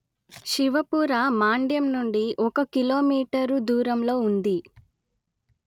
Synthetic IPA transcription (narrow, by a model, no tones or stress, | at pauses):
ʃiʋɐpuːɾamaːɳɖjɐmnuɳɖiʔɔkɐkiloːmiːʈɐɾud̪uːɾɐmlo̞ːund̪i